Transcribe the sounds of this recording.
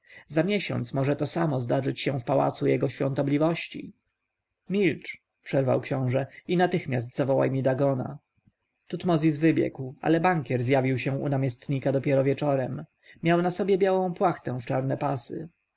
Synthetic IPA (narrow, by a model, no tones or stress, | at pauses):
zamʲjɛɕɔ̰nt̪smɔʐɛt̪ɔsamɔzd̪aʐɘt͡ɕɕɛ̃fpawa̰t̪sujɛɡɔɕfʲjɔ̃nt̪ɔblʲivɔɕt͡ɕḭ | mʲilt͡ʂ | pʂɛɾva̰wkɕɔ̃w̃ʐɛinat̪ɘxmʲjas̬t̪zavɔwa̰jmʲid̪aɡɔna̰ | t̪ut̪mɔzʲizvɘbʲjɛ̰kwa̰lɛbaŋkʲjɛɾzjavʲiwɕɛ̃ṵnamʲjɛst̪ɲikad̪ɔpʲjɛɾɔvʲjɛt͡ʂɔɾɛm | mʲjawnasɔbʲjɛbʲjawɔ̃w̃pwaxt̪ɛ̃ft͡ʂaɾnɛpasɘ̰